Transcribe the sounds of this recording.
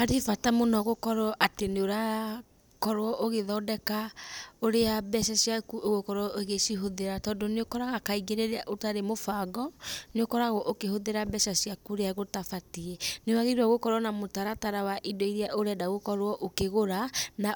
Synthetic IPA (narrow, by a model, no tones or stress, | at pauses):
haɾefatamonɔɣokɔɾwɔʔateneoɾa | kɔɾwɔʔoɣeðɔːdɛkaoɾeabɛʃasiakuʔoɣokɔɾwɔʔeɣeʃiɦoðeɾatɔːndoneokɔɾaɣakaiɡeɾeɾeaʔotaɾemofaɡɔneokɔɾaɣɔʔokehoðeɾabɛʃasiakuɾeaɣotafatiɛnewaɣeɾɔɣokɔɾwɔnamotaɾataɾawaʔidɔiɾeaʔoɾɛdaɣokɔɾwɔʔokeɣoɾana